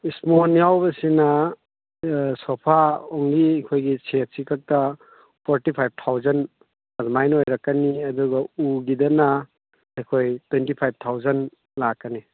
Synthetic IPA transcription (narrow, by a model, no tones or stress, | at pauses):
ismonijawbɐsinɐ | sopʰaoŋɡiɐjkʰojɡisek̚sikʰɐk̚tɐ | pʰoɾtipʰajb̚tʰawzɐn | ɐzmajnojɾɐkːɐniɐduɡɐuɡidɐnɐː | jkʰojtwentipʰajb̚tʰawzɐn | lakːɐni